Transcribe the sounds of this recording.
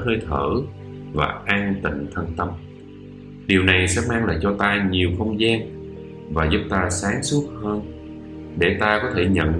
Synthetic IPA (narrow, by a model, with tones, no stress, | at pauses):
həː˧jt̪ʰəː˧˩ | va̰ː˨˩ʔaː˧nt̪ï˧˨ŋ̟t̪ʰə˧nt̪ə˧m | ɗi˨˩əwna˨˩jsɛ̰˧˥maː˧ŋlaː˨˩t͡ɕɔ˧t̪aː˧ɲi˨˩əwxə˧wŋ͡mzaː˧n | vaː˨˩zu˦˥p̚t̪aː˧saː˨˦ŋsu˦˥ət̚həː˧n | ɗe˧˩t̪aː˧kɔ˨˦t̪ʰe˧˩ɲə̰˧˨n